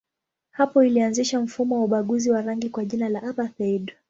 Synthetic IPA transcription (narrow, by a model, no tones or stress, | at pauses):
hapɔilianziʃam̩fumɔwauɓaɠuziwaɾaŋɡikwaʄinalaʔaɓaθɛiɗ